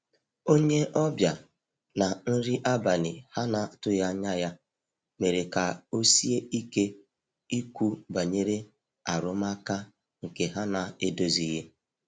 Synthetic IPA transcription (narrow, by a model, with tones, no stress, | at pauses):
o˦ɲe˦ʔɔ˦bja˨ | na˨n̩˦ɾi˦ʔa˦ba˨nɪ˨ha˦na˨tʊ˦ja˦ɲa˦ja˦ | me˨ɾe˨ka˨o˦si˦e˦i˦ke˦ | i˦kʷu˦ba˨ɲe˦ɾe˦ | a˨ɾʊ˦m˦a˦ka˦ | ŋ̩˨ke˨ɦa˦na˨e˦do˦zi˦je˦